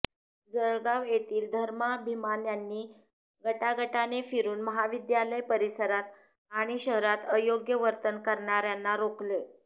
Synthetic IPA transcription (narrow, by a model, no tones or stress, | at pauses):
d͡zəɭɡaʋjet̪iːld̪ʱəɾmabʱimanjanːiː | ɡʱəʈaɡəʈanefiɾuːnməɦaʋid̪jaləjpəɾisəɾat̪ | aɽ̃iɕəɦɾat̪əjoɡjəʋəɾt̪ənkəɾɳaɾjanːaɾokle